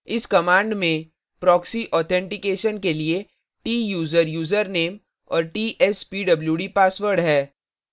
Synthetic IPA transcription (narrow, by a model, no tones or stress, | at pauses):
ɪskɐmãːɳɖmẽ | pɾɔːksiʔɔːt̪ʰɛ̃ɳʈɪkeːʃənkelie | ʈiːjuːzəɾjuːzəɾneːm | ɔ̰ːɾʈiːʔɛspiːɖɐbljuːɖipaːswəɾɖɦɛː